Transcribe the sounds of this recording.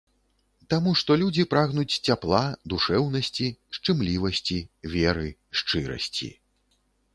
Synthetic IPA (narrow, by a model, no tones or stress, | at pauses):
t̪amuʂt̪ɔlʲud͡zʲipɾaɣnut͡sʲt͡sʲaplˠad̪uʂɛwn̪ɐsʲt͡sʲiʂt͡ʂɨmlʲivɐsʲt͡sʲivʲɛɾɨʂt͡ʂɨɾɐ̰sʲt͡sʲḭ